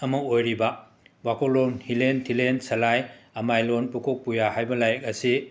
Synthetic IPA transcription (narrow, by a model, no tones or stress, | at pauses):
ɐmɐojɾibɐ | bakolonhilentʰilensɐlajɐmajlonpukʰok̚pujahajbɐlajɐk̚ɐsi